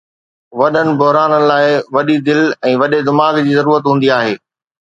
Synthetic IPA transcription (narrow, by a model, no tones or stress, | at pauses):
ʋɐɗənɪ̆bʊɦɾaːnənɪ̆laːɪʋɐɗid̪ɪlɛ̃ːʋɐɗed̪ɪmaːɡd͡ʑiːzɐɾuːɾət̪ɦũːn̆d̪iaːɦeː